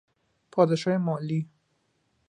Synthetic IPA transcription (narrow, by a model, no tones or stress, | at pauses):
pʰɒːd̪eʃɑemɔːli